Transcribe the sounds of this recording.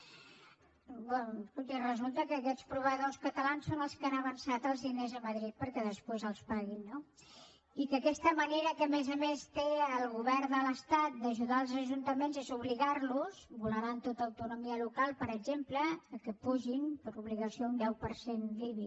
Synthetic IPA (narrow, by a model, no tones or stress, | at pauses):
bɛskulˠt̪irəzulˠt̪əkəːkɛt͡spɾuβəðoskət̪əlansonəlˠskanəβənsat̪əlˠzðinezəməðɾit̪̚pəɾkɛðəspwezəlˠspaɣinːo | ikəkɛst̪əməneɾəkəmezəmest̪eəlˠɣuβɛɾd̪ələst̪at̪̚d̪əʒuðaəlˠzəʒunt̪əmenzezuβliɣaɾluzbuləɾant̪ot̪əːwt̪unumiəlukalˠpəɾəɡʒempləːkəpuʒinpəɾuβliɣəsiound̪ɛwpəɾsenliβi